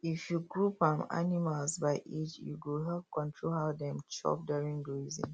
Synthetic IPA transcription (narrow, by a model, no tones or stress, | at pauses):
ifjuɡɹupãma̰nimalsbaɪʔit͡ʃjṵɡulɦavkɔ̃ntʰɹolhaʊdɛ̃mt͡ʃɔ̰p̚duɹĩŋɡɹizḭ̃n